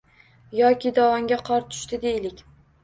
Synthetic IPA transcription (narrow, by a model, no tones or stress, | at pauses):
jɒkʲɪd̪ɒwɒŋɡʲaqʰɒɾt̪ʰʊ̥ʃt̪ɪd̪e̞jlɪkʲ